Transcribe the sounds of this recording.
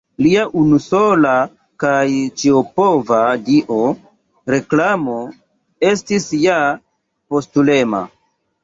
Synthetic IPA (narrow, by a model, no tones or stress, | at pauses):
liaʔunuso̞la | kajt͡ʃiopovadiʔo | ɾe̞klamo̞ | estisja | po̞stule̞ma̰